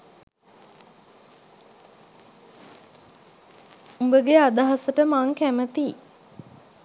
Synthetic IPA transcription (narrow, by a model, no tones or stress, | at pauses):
umbəɡead̪aɦasəʈəmaŋkæmət̪i